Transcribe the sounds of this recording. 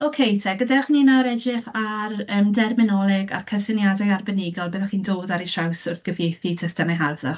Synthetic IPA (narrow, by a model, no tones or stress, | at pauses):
okʰejtʰɛɡədaχninaɾɛd͡ʒɪχarəːmdɛrmɪnɔlˠɪɡa̰rkʰəsɪnjadaarbɛnɪɡɔlˠbəːðaχiːndoːdaɾiʃawsʊrθɡ̥əveθitʰəsd̥anaɦarðɔ